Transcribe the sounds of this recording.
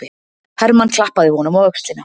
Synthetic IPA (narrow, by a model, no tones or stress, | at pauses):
ɪ | hɛɾmankʰlahpaðɪhɔnʏmɔœkst̪lina